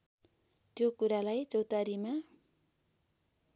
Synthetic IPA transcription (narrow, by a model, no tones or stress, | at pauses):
t̪jokuɾalajt͡sʌwt̪aɾima